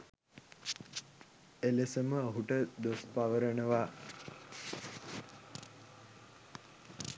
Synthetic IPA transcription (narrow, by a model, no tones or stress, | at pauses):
elesəməːɦuʈəd̪ospaʋəɾəɳəʋaː